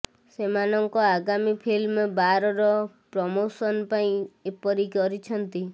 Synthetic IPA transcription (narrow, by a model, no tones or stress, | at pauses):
semanɔŋkɔaɡamipʰilmbaɾɔɾɔpɾɔmosɔnpaĩepɔɾikɔɾit͡ʃʰɔnt̪i